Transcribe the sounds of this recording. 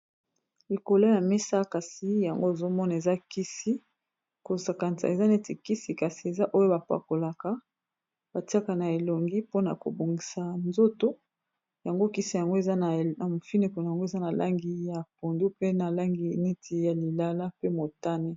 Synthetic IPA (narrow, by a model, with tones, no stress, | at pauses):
i˨ko˨lo˦ja˨me˦sa˦ka˨si˨˦ja˨ŋɡo˦e˨zo˦mɔ˦na˨e˨za˦ki˦si˦ | ko˨sa˨ka˨nta̰˨e˨za˦ne˦ti˨ki˦si˨ka˨si˨e˨za˦ʔo˦jo˦ba˨pa̰˨ko˨la˨ka˦ | b̥a˨ti˦a˦ka˨na˨e˨lo˨ŋɡi˦po˦na̰˨ko̰˨bo˨ŋɡi˨sa˨nzo˦to˦ | ja˨ŋɡo˦ki˦si˦ja˨ŋɡo˦e˨za˦na˨na˨mo˨fi˦ne˨ko˨no˨ja˨ŋɡo˦e˨za˦na˨la˦ŋɡi˦ja˨p̚o˨ndu˦pe˦na˨la˦ŋɡi˨ni˦tʰi˨ja˨li˨la˦la˦pe˦mo˨ta˦ne˦